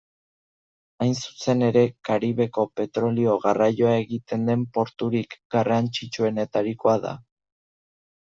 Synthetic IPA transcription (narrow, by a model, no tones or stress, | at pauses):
ajnsu̥se̞ne̞ɾe̞kaɾiβe̞ko̞pe̞t̪ɾo̞lio̞ɣarajo̞ae̞ɣit̪e̞nd̪e̞mpo̞ɾt̪uɾikɡarant͡ʃit͡ʃue̞ne̞t̪aɾiko̞aða̰